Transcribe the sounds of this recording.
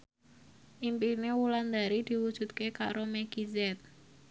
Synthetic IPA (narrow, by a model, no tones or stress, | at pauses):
ʔimpinewuland̪aɾid̪̥i̤wud̥ʒ̥ṳt̪̚keka̰ɾomɛɡ̥izɛt̪̚